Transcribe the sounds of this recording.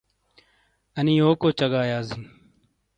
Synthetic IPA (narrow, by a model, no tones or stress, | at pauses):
əniːoːkoːt͡ʃəɠaːjaːzɪn